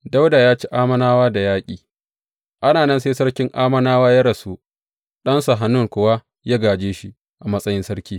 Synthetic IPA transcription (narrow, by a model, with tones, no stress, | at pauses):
da˦wda˨jaː˦t͡ʃi˦ʔaː˦mɐ˦naː˦waː˦da˨jaː˦kʲʼiː˨ | ʔa˦naː˨nɐ˦nseː˦sɐ˦ɽkʲɪ˦ŋʔaː˦mɐ˦naː˦waː˦ja˦ɽɐ˨suː˦ | ɗɐ˦nsa˨ɦa˨nːʊ˦ŋkʷʊ˨wa˦ | jaː˦ɡaː˨d͡ʒeː˦ʃi˦ | ʔa˨mɐ˦sʼɐ˦jɪ˦nsɐ˦ɽkʲiː˦